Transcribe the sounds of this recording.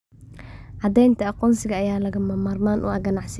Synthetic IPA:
ʕɑd̪ɛjnt̪ʰɐqɔnsɪɣɐːjaːlɐɣɐmɐmaːrmaːnʔṵːɐɡɐnɑʕs

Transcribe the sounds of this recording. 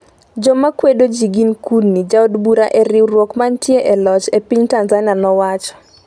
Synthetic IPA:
d͡ʒɔmakwedod͡ʒiɡinkunːid͡ʒaodbuɾaʔeɾɪwrwɔkmantjeʔɛlɔt͡ʃepiɲtanzanɪanɔwat͡ʃɔ̥

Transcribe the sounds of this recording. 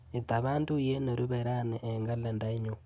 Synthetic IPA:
it̪aβaːndujenoɾuβeɾaneʔːŋɡalendaiɲo

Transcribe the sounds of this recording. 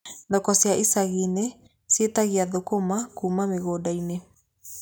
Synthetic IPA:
ndɔkɔseaʔisaɣine | sietaɣiaðokomakumameɣoːdaine

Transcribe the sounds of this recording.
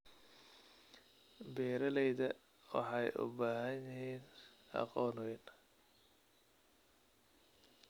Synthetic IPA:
bɛːɾɐlɛjðɐ | wɑ̰ħɑjʔʊ̰baːɦɐnjɪɦiːnʔɑ̰qɔːnʊwɪn

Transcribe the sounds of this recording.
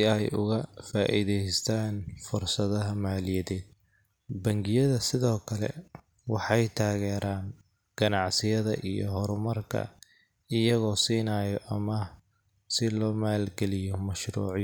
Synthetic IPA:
ɪɛjʊ̰ɣɐfaːʔḭðɛjst̪ʰaːnfʊrsɐðɐɦɐmaːlɪjɐðɛːd̪̥̚ | bɐŋɡɪjɐðɐsɪðɔːkʰɐlɛ̰ | wɑħɑjt̪ʰaːɣɛːɾaːn | ɡ̥ɐnɑʕsɪjɐðɐ̰ʔijɔ̰ɦɔɾmɐrkʰɐ̰ | ɪjɐɣɔːsiːnaːjɔʔɐmɐ | sɪlɔːmaːlɡɛlɪjɔmɐʃɾṵːʕj

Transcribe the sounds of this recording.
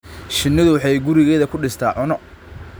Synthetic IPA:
ʃɪnːɪðʊwħɑjɡʊɾɪɣɛːðɐkʰʊɖɪst̪ʰa̰ːʕʊnɔ

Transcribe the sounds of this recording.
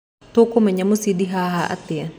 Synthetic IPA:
t̪okomaɲamusidiɦaɦaʔa̰t̪ia

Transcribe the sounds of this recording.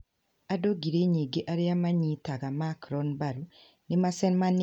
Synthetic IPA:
adoɡiɾeɲiːɡeʔaɾeamaɲitaɣamakɾɔnbaɾu | nemasenman

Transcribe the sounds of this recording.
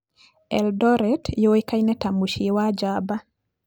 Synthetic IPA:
ɛldɔɾɛtjojkajnɛtamuʃewad͡ʒaba

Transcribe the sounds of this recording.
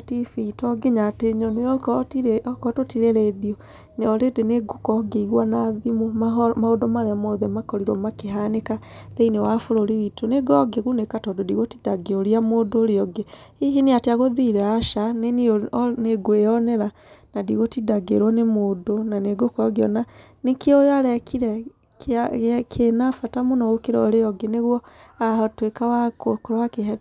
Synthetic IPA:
tifitɔɡeɲateɲɔneɔikɔtotiɾeɾediɔ | neɔɾedeneɡokɔɡeiɣwanaðimomamahodomaɾeamoðemakɔɾiɾwɔmakeɦanekaðeinewafoɾoɾiwitoneɡɔɡeɣunekatɔdodiɣotidaɡeoɾiamodoːɾeɔɡeiɦineateaɣoðiɾɛaʃanenioneɡoejɔnɛɾa | nadiɣotidaɡeɾwɔnemodonaneɡokɔɡeɔnanekeojaɾɛkiɾɛ | kkʰenafatamonɔɣokeɾɔɔɾeɔɡeneɣwɔahatwekawakokoɾwakeɦɛ

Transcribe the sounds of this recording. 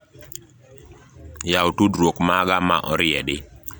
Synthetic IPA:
jaotudɾwokmaɡama̰ʔɔɾɪɛdɪ

